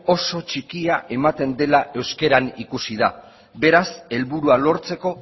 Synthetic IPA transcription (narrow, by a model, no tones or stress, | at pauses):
o̞so̞t͡ʃikiaʔe̞mat̪e̞nd̪e̞laʔe̞wske̞ɾanikusið̞a | be̞ɾase̞lβuɾualo̞ɾt͡se̞ko̞